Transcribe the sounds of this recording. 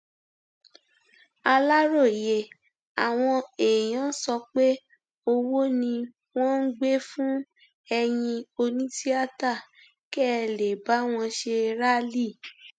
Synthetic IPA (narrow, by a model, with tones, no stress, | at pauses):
a˧la˦ɾo˦˨je˨ | a˨w̃ɔ̃˧e˨jã˨˦sɔ˧k͡pe˦ | o˧wo˦nĩ˧ | w̃ɔ̃˦n̩˦ɡ͡be˦fũ˦ | ɛ˧j̃ĩ˧o˧nĩ˦si˦a˦ta˦˨ | kɛ˦˨le˨ba˨˦w̃ɔ̃˧ʃe˧ɾa˦li˦˨